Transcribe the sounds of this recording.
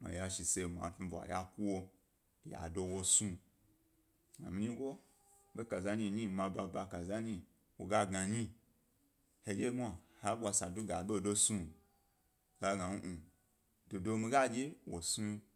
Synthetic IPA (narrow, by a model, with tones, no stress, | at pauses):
ma̰˨ja˧ʃi˨se˧˨ma̰˨tũ˧va̰˨ja˧ku˦wo˧ | ja̰˨do˧wo˧su˧ | ɡa̰˨mi˧ɲi˦ɡo˦ | be˦ka˨za˧ɲi˧˨ɲi˦mã˧ba˧ba˧ka˨za˦ɲi˧ | wo̰˨ɡa˦ɡa˧ɲi˦ | he˧d͡ʒe˦mʷa˨ha˦bʷa˧sa˨du˦ɡa˨be˦˨do˧su˧ | ɡ̥a˦ɡã˨n̩˦ʔu˨ | do˨do˧mi˧ɡa˦d͡ʒe˦wo˨su˧